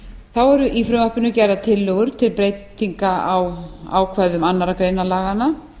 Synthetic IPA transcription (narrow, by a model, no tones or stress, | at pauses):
θawɛɾʏʔifɾʏmahpɪnʏcaːjɾðat̪ʰɪlːœɣʏɾ̥t̪ʰɪlpɾeːjt̪ːiŋkaawa̰ːwkʰvɛðʏmanːaɾakɾeːjnalaːɣanːa